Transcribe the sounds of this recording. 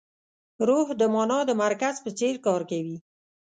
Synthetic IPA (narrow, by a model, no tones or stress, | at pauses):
ɾohd̪əmɑnɑd̪əmaɾkazpət͡seɾkɑɾkawi